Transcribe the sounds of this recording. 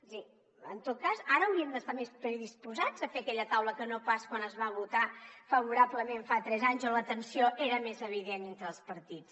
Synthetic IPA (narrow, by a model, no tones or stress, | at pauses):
si | ənt̪ot̪̚kazaɾəːwɾiəmd̪əst̪amespɾəðispuzad͡zəfeəkɛʎət̪awləkənopaskwanəzβaβut̪afəβ̞uɾapləmeɱfat̪ɾɛzaɲzɔlət̪ənsioʔeɾəmezəβ̞iðenent̪ɾəːlˠspəɾt̪it͡s